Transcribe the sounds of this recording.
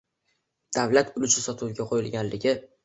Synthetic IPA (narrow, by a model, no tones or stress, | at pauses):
d̪̥avlat̪ʰʊlɪt͡ʃʰɪsɒt̪ʰuwɡʲaqʰojɪlˠɡʲanlɪɡʲɪ